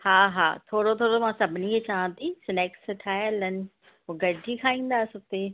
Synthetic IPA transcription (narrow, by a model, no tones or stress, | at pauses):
haːɦa̰ːt̪ʰoːɽot̪ʰoːɽomãːsɐbʱɪniet͡ɕaːə̃t̪ʰisɪneːksʈʰaːjlənɪ̆ | ɦoɡɐɖʱikʰaːĩːn̆d̪aːsʊt̪e